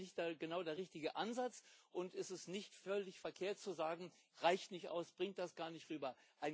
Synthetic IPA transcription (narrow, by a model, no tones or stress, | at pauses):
nɪçtd̥aɡənaʊdeːɐʁɪçtɪɡəʔanzat͡sʔʊntɛstɛstnɪçtfœlɪçfɛɐkʰeːɐt̚t͡suzaːɡŋ̩ | ʁaɪçtnɪçtʔa̰ʊsb̥ʁɪŋt̚d̥asɡ̥aːɐnɪçtʁyːbɐʔaɪn